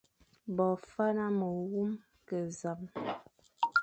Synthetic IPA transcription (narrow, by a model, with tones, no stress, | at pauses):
bɔ˨fa˦na˦mə˨wu˦m | kə˨za˨m